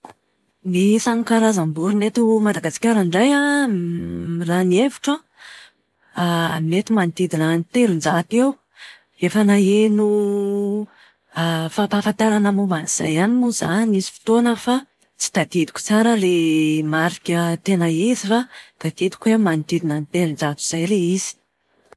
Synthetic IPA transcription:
nisanukaɾazambuɾunet̪umad̪aɡasi̥kʲaɾaɳɖ͡ʐaja | ranievi̥ʈ͡ʂə | mnet̪imanit̪id̪iɾanit̪eɾund͡zat̪ew | efənaenu | fapafant̪aɾanamuvaniz̥a̰janimuzanizifi̥t̪onəfa | t͡si̥t̪ad̪̥id̪i̥kʲu̥t͡saɾəlemaɾikʲət̪enaizifat̪ad̪̥id̪i̥kuemanit̪id̪inanit̪eɾind͡zat̪u̥z̥ajleiz̥i̥

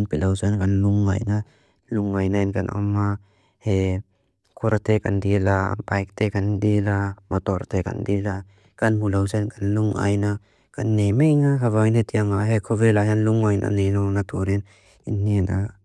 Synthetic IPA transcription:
npilawsankanluŋːa̰jna | luŋːajnainkanɔ̰ma | he | kʰuɾat̪ekandila̰bajk̚t̪ʰekandilamɔt̪ɔɾt̪ʰeka̰ndila | kanmulawsankanluŋʔa̰jna | kanːemejnakʰavajnet̪iaŋaɦekʰɔvelaɦanluŋːajna̰nenɔnat̪ʰuɾin | inːina

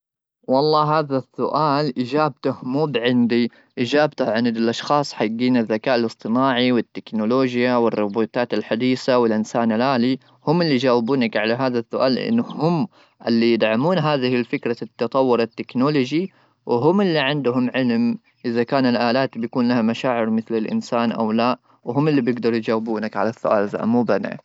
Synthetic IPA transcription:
wɑlˤːɑːɦaːðasːʊʔaːlʔɪd͡ʒaːbt̪ʊhmuːbʕɪnd̪i | ʔɪd͡ʒaːb̚t̪ʊhʕɪnɪd̪ɪlʔɑʃxɑːsˤħaɡːiːnɪðːakaːʔalɨsˤt̪ˤɨnaːʕiwɪt̪ːɪknʊloːd͡ʒjawɪrːʊbuːt̪aːt̪ɪlħad̪iːsawɪlʔɪnsaːnɪlʔaːli | hʊmːɪlːid͡ʒaːwɪbuːnakʕalaɦaːðasːʊʔaːlʔɪ̰nːʊhʊm | ʔɪlːijɪd̪ʕamuːnɦaːðɪhɪlfɪkɾat̪ːɑt̪ˤɑwːʊɾat̪ːɪknolod͡ʒi | wɦʊmɪlːiʕɪnd̪ʊɦʊmʕɪlm | ʔɪðakaːnɪlʔaːlaːt̪bjakuːnlahamaʃaːʕɪɾmɪθlɪlʔɪ̰nsaːnʔa̰wlaːʔ | wɦʊmɪlːibjɪɡd̪ɑɾˤjd͡ʒaːwɪbuːnakʕa̰lasːʊʔa̰ːlza̰ʔmuːbana̰ʕ

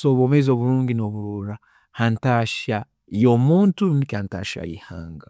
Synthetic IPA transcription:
soβoːmezio̞ːβuɾuːŋɡinoβuɾuːɾa | hantaːʃa | jomuːntunikaːnta̰ːʃa̰ḭha̰ːŋɡa

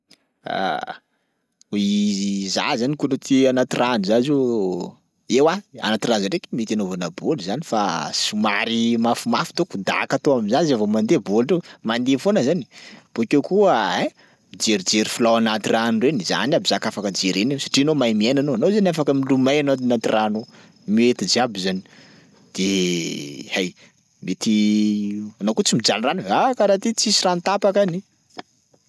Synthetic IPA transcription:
a̰ | iza̰zanikunot̪ianat̪irʔanizazu | ewaa̰nat̪iranzaɖ͡ʐekimit̪anovanəboluzanifasumaɾimafumafu̥t̪okud̪a̰kat̪oamizazavomand̪ebolɖ͡ʐemand̪efonəzani̥b̥okʲewkuəe | mid͡ʒeɾid͡ʒeɾifulawanat̪iranreniza̰nabizakafakəd͡ʒeɾenewsḁʈ͡ʂianomajmienanoanozaniafakəmilumajanaanat̪irano | miet̪id͡ʒabizani̥ | d̪̥e | haj | met̪i | anawkot͡simid͡ʒanranakaɾat̪it͡sisirant̪apakani

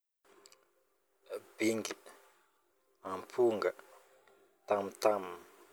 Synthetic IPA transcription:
biŋɡi | ãmpʰuŋɡa | t̪amt̪am

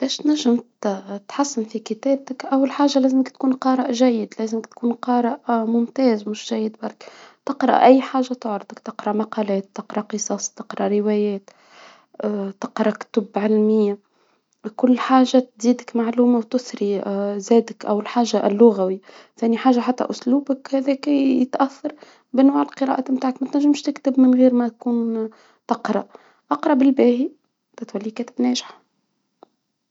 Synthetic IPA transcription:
b̥ɛːʃt̪næʒːɪmt̪t̪ħasːɪnfikɪt̪æːb̚t̪ɪkʔawːlħaːʒalæːzɪmɪkt̪̚kuːnqɑːɾˤɑʔʒæjːɪd̪læːzəmɪkt̪kuːnqɑːɾˤɑʔmʊmt̪ɛːzmʊʃʒæjːɪd̪bɑɾˤkt̪ɪqɾˤɑ̰ʔʔæjːħaːʒat̪ʊʕɾd̪ɪkt̪ɪqɾˤɑʔmɑqɑːlɛːt̪ːɪqɾˤɑqɨsˤɑːsˤt̪ɪqɾˤɑʔɾɪwɛːjɛːt̪ː | t̪ɪqɾˤɑkt̪ʊbʕɪlmɪjːa | kʊlːħaːʒːat̪ziːd̪əkmaʕluːmawt̪ʊsɾizæːd̪ɪkʔæwɪlħaːʒːaʔlːʊɣæwi | θæːniħaːʒːaħat̪ːæ̰ʔʊsluːbəkhæːðɛːkjət̪ʔæθːɑɾˤ | bɪnwaːʕɪlqɨɾˤɑ̰ʔamt̪aːʕakmæt̪næʒːɪmʃt̪ɪkt̪ɪbmɪnɣiːɾmæt̪̚kuːn | t̪ɑqɾˤɑ | ʔɑqɾˤɑbɪlbæːhi | t̪æt̪wælːikæːt̪ɪbnɛːʒɪħ

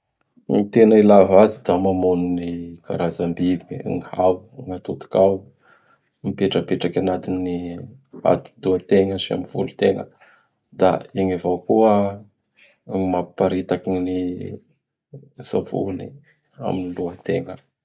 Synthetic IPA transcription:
nit̪enailavazid̪amamununika̰ɾazambibḭŋhawŋat̪ut̪u̥kaw | mipeʈ͡ʂəpeʈ͡ʂakʲanat̪inia̰t̪u̥d̪uat̪eŋəʃia̰miv̥ulu̥t̪eŋə̰ | d̪aiɲavawkuə | mappaɾit̪akini | sa̰vṵnḭ | a̰miniluət̪eŋə

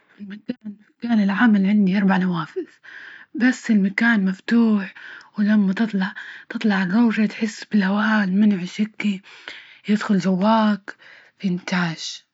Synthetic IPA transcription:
fɪlmakaːn | kaːnɪlʕamalʕɪnd̪iʔɑɾˤbaʕnawaːfɪðbasːɪlmakaːnmaft̪uːħwɪlamːat̪ɨt̪ˤlɑʕt̪ɨt̪ˤlɑʕɪrˤːoːʒat̪ħɪsːbɪlhawaːlmɪnʕʃɪkːijɪd̪xʊld͡ʒawːaːk | fiɪnt̪aːʒ̥

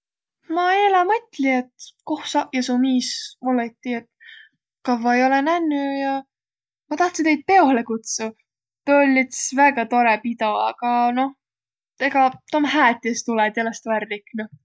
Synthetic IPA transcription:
mɑelɑmɤt̪ʲˑliet̪kohsɑʔjɑsumiːsmolet̪ʲːiet̪ | kɑvɑejo̞lenænːyjɑ | mɑt̪ɑht̪sint̪e̞jd̪̚pe̞o̞hlekut̪su | t̪øolʲːit̪svæɡ̥ɑt̪o̞ɾepid̪o̞ɑ̰ɡ̥ɑno̞h | t̪e̞ɡ̥ɑt̪omhæːt̪ʲːˑest̪ulɛd̪jelest̪værliknu

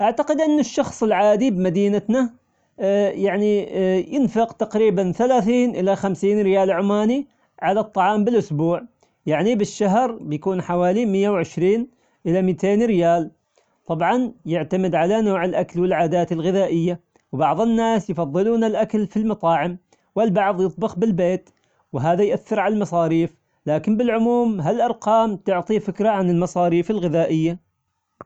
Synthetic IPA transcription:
ʔaʕt̪aqɪd̪ʔɪnːɪʃːɑxsˤɪlʕaːd̪ibmad̪iːnat̪na | jaʕnijɪnfɪqt̪aqɾiːbanθalaːθiːnʔɪlaxamsiːnɾɪjaːlʕʊmaːni | ʕalat̪ˤːɑʕɑːmbɪlʔʊsbuːʕ | jaʕnibɪʃːaɦɾbɪjkuːnħawaːlimɪjːawʕɪʃɾiːn | ʔɪlamit̪ʰeːnɾɪjaːl | t̪ˤɑbʕɑnjɪʕt̪amɪd̪ʕalanoːʕɪlʔaklwɪlʕaːd̪aːt̪ɪlɣɪðaːʔɪjːa | wbɑʕðˤɪnːaːsjfɑðˤːɨluːnalʔakalfilmɑt̪ˤɑːʕɪm | wɪlbɑʕðˤjɨt̪ˤbɪxbɪlbeːt̪ | wɦaːðajʔaθːɪɾʕalalmɑsˤɑːɾiːf | laːkɪmbɪlʕʊmuːmɦalʔɑɾˤqɑːmt̪ʊʕt̪ˤifɪkɾaʕanɪlmɑsˤɑːɾiːfɪlɣɪðaːʔɪjːa

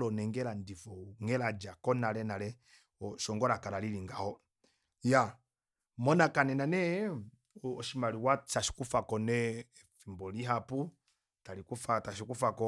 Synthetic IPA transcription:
lɔnɛŋɡɛlandifɔŋɛlad͡ʒakɔnalɛnalɛ | ɔʃɔŋɡɔɾakaɾaliliŋɡahɔ | ja | mɔnakanɛnanɛ | ɔʃimaliwat͡ʃaʃi̥kufakɔnɛ | fimbɔliɦapu | talikufataʃikufakɔ

